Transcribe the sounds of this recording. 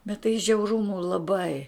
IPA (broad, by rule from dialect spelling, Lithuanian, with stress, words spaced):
bʲɛt tɐɪ ʒʲɛʊˈrʊmʊ lˠɐˈbɐɪ